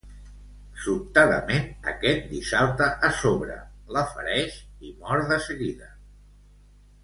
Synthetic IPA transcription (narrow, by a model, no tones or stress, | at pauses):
sup̚t̪aðə̰menə̰kɛt̪̚d̪isalˠt̪əʔːsoβɾə̰ləfə̰ɾɛʃimɔɾðəsəɣiðə